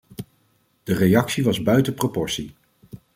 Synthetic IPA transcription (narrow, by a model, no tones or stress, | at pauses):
d̥ərejɑksiʋɑzbœɥtəpropɔɹsi